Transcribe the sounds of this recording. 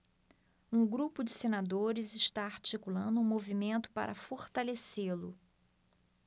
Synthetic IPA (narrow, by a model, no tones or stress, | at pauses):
ũɡɾupʊd͡ʒɪsenad̪oɾɪzɪʃt̪aaɾt͡ʃikulɐ̃nd̪ʊũmovimẽnt̪ʊ̥pa̰ɾʔɐfoɾt̪aleselʊ